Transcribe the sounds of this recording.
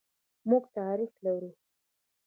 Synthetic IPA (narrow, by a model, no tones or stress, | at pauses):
muɡt̪aɾiflawɾu